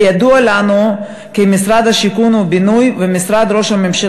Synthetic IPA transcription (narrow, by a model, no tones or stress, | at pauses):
jad̪ualanu | kemisɾad̪haʃikunubinujvemisɾad̪ɾo̞ʃhamemʃe